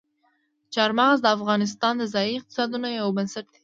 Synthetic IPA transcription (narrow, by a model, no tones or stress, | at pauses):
t͡ʃɑɾmɑʁəzd̪əafɣɑnɪs̬t̪ɑnd̪əzɑjiɪq̚t̪ɪ̥sɑd̪unojawbənsɪɾd̪e̥